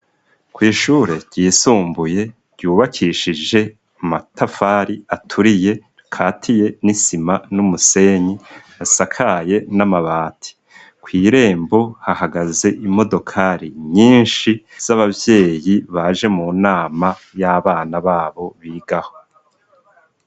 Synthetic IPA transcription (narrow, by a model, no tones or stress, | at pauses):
kwiːʃuɾe̞ɟ̥iːsuːmbuje̞ | ɾɟuːβakʰiʃid͡ʒe̞ | matafaːɾiatʰuɾije̞ | kʰaːtʰije̞nisimanumuse̞ɲi | asakʰaje̞namaβaːtʰi̥ | kwiːɾe̞ːmbo̞hahaɡaze̞ʔimo̞do̞kʰaɾiɲiːnʃiz̥aβavje̞ːjiβaʒe̞munaːma | jaβaːnaβaːβo̞βiːɡaho̞